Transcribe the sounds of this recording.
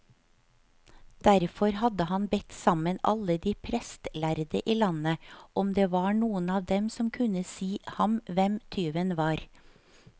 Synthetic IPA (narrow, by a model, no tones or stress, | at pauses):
d̪̥æɾfɔɾhɑd̪əhɑnbɛt̪sɑmənɑ̰ləd̪iːpʰɾɛst̪læɾd̪əʔiːlɑnəʔɔmd̪eːʋɑːɳuːənɑːʋd̪ɛmsɔmkʰʉnəsiːhɑmʋɛmt̪ʰyːʋənʋɑːɾ